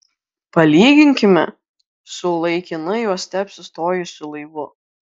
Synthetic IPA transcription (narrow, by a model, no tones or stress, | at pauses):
pɐlʲiːɡʲɪŋʲkʲɪmʲɛ̰ | sʊlˠɐɪkʲɪnɐjuɔst̪ʲæpʲsʲʊst̪oːjʊsʲʊlˠɐɪʋʊ